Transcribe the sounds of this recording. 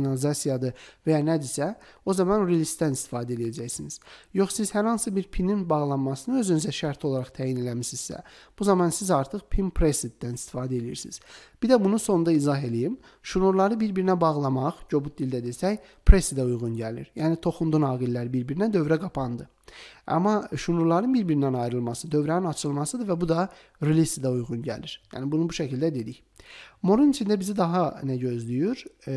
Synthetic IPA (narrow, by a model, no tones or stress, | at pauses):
nɑlizɑsijɑd̪ɯvæjɑnæd̪isæ | o̞zɑmɑnɾilist̪d̪ænist̪ʰi̥fɑːd̪æelijæd͡ʒæçsiniz̥jo̞χsiz̥hæɾhɑnsɯbiɾpʰininbɑʁlˠɑnmɑsɯnɯø̞zynyzæʃæɾt̪ʰiolˠɑɾɑχt̪ʰæːjine̞læmisizsæ̰b̥uzɑmɑnsizɑɾt̪ʰɯχpʰimpʰɾesid̪d̪ænist̪ʰi̥fɑːd̪æe̞lijḭɾsiiz̥b̥id̪æbunuso̞nd̪ɑizɑɦe̞lijim | ʃunuɾlˠɑɾɯbiɾbiɾinæbɑʁlˠɑmɑʁɟo̞but̪̚d̪ilʲd̪æd̪e̞sæj | pʰɾesid̪æujʁunɟælḭɾjæːnit̪ʰo̞χund̪unɑːɡilʲːæɾibiɾbiɾinæd̪ø̞vɾæɡɑpʰɑnd̪ɯ | ɑ̰mːɑʃunuɾlˠɑɾɯnbiɾbiɾinænɑjɾɯlˠmɑsɯd̪ø̞vɾæninɑt͡ʃʰɯlˠmɑsɯd̪ɯvæbud̪ɑ | ɾilʲisid̪æujʁunɟæ̰liɾ̥jæ̰ːnibunubuʃæcʰilʲd̪æd̪e̞d̪iç | moɾunit͡ʃʰind̪æbizid̪ɑɦɑnæɟø̞zlyjyɾ